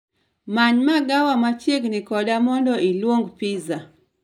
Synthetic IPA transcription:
maɲmaɡawamat͡ʃjeɡnɪkɔdamɔndɔʔilwoŋɡpiza

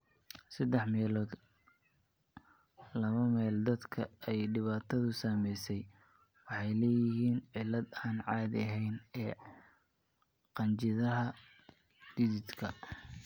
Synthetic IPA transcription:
sɐd̪ɛħmɛːlː | lɐβɐmɛːld̪ɐd̪kʰɐɛjɖɪβaːt̪ʰɐðʊsaːmɛjsɛj | wɑħɑjlɛːjɪɦiːnʕɪlɐd̪aːnʕɑːd̪ɐɦɛjnɛː | qɑnt͡ʃɪðɐɦɐ | d̪̥ɪðɪd̪kʰɐ

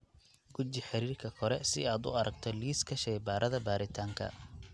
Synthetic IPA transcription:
ɡ̥ʊt͡ʃɪħɪɾiːrkʰɐkʰɔɾɛsɪ̰aːd̪ʊ̰ɐɾɐɡt̪ʰɔliːskʰɐʃɛjbaːɾʔɐðɐbaːɾɪt̪ʰaːŋkʰɐ̰

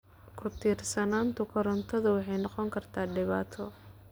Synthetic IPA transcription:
kʰʊt̪ʰiːrsɐnaːnt̪ʰʊkʰʊɾɐnt̪ʰɐðʊwɑħɑjnɑqɔŋkʰɐrt̪ʰaːɖɪβa̰ːt̪ʰɔ

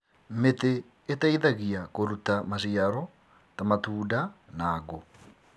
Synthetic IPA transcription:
meteː | taiðaɣiakoɾutamaʃiaɾɔ | tamatuːdanaːɣo

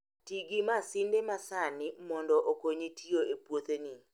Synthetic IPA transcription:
tiɡimasɪndemasanɪmɔndɔʔokoɲitʰioepwot̪eni

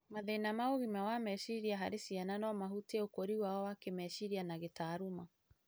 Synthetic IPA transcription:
maðɛinamaoɣimawamɛʃiɾiaɦaɾesiananɔmaɦuteokoɾiwaɔwakemɛʃiɾianaɣetaːɾuma

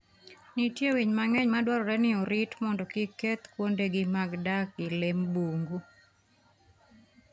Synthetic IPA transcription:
nitjewiɲmaŋɛɲmadwaɾɔɾɛnɪɔɾɪtmɔndɔkɪket̪kwondeɡɪmaɡdakɪlɛmboŋɡu

